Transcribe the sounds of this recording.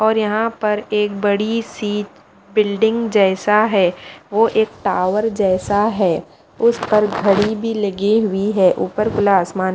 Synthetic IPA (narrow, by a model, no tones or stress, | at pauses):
ɔːɾjɐɦãpɐɾeːk̚bɐɽisiːt͡ʃ | bɪlɖɪ̃ŋɡd͡ʒɛːsaɦɛːʋoʔeːk̚ʈaːʋəɾd͡ʒɛːsaɦɛː | ʊspɐɾɡʱɐɽibʱilɐɡiɦʊiɦɛːʔuːpəɾkʊlaːsmaːn